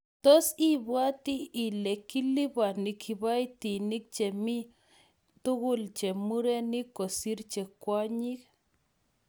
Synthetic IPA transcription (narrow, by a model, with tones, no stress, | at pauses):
t̪o˦si˦bwa˦t̪i˦i˨le˨ki˦li˦ba˨ni˨kʰi˧˨ba˦jt̪i˨ni˦k̚t͡ʃe˨mi˦ | t̪u˦ɣu˦lt͡ʃe˨mu˦ɾe˦ni˦ko˨si˦ɾt͡ʃe˨kʷa˦ɲi˦k